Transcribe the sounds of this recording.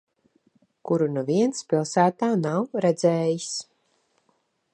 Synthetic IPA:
kuɾunuviɛnspʲilˠsæːt̪aːnawɾɛd̪zɛːjis

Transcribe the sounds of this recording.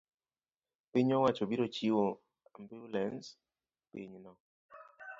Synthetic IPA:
piɲɔwat͡ʃobiɾot͡ʃiwo | ambiɾlɛns | pḭɲnɔ

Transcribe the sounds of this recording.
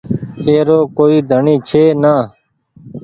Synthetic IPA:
eːɾoːkoːiːd̪ʱəɳĩːt͡ʃʰeːnaː

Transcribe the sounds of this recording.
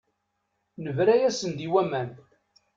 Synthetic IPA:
nəvɾæjæsənd̪iwæmæn

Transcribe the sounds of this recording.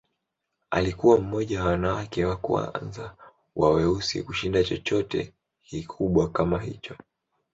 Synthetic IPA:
a̰likuwam̩mɔʄaawanawakɛwakṵa̰nza | wawɛusḭkuʃindat͡ʃɔt͡ʃɔtɛ̰ | kikʰuɓwakamaɦḭt͡ʃɔ

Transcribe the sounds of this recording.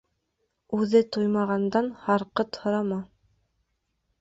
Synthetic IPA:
ʉðɘt̪ojmɑʁɑnd̪ɑnhɑɾqɤt̪hŏɾɑmɑ

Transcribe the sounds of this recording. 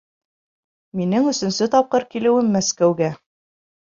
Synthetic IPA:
minɘŋɵ̆sɵ̆nsɵt̪ɑp̚qɤɾkilɘ̆wɘmːæskæwɡæ

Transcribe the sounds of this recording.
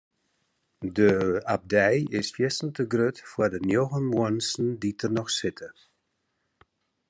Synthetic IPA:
dəab̚dɛjɪsfjɪsən̩təɡrøtfwəːdənjoɣənmuənsn̩ditʰərnɔxsɪtʰə

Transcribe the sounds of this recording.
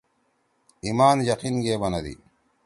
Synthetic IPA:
imaːnjɐqinɡeːbɐnɐd̪ḭ

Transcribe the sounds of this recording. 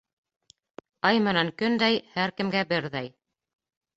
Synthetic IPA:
ɑjmɘ̆næŋkɵnd̪æjhæɾkɘ̆mɡæbɘɾðæj

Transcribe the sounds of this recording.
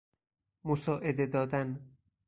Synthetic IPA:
mosɒːʔed̪ed̪ɒːd̪æn

